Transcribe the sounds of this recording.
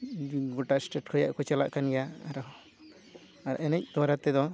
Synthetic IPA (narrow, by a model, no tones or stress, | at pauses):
ɡɔʈasʈɛʈ̚kʰɔja̰ʔkɔt͡ʃala̰ʔkanɡɛjaaɾ | aɾa̰ʔɛnɛc̚d̪ɔwaɾat̪ɛd̪ɔ